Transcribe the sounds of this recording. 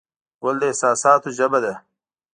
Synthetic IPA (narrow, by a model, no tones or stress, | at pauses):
wɐld̪eːsaːsaːt̪ud͡ʑɐbɐd̪e